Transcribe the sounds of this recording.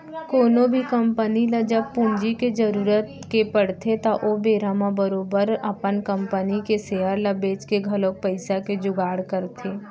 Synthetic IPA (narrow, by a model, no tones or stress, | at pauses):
koːnõbʱikɐmpənilad͡ʒəb̚pʊnd͡ʒiked͡ʒəɾuːɾət̪ | kepəɽ̤t̪ʰet̪aʔobeːɾamabəɾoːbəɾɐpənkə̃mpənikeseːəɾlɐbeːt͡ʃkeɡʱɐlõk̚pəɪsaked͡ʒʊɡaːɽkəɾt̪ʰeː